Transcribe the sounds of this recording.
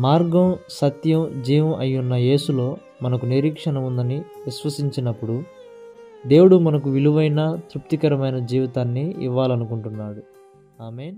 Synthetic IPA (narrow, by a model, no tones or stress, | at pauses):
maːɾɡɐmsɐt̪jɐmd͡ʒiːʋɐmʔɐjːunːɐje̞ːsulo̞ː | mɐnɐkuniɾiːkʂɐɳɐmund̪ɐniʋisʋɐsiɲt͡ʃinɐpːuɽu | d̪e̞ːwuɽumɐnɐkuʋiluʋɐjnɐt̪ɾup̚t̪ikɐɾɐmɐjnɐd͡ʒiːʋit̪aːnːiḭʋːaːlɐnukuɳʈunːaːɽu | aːmeːn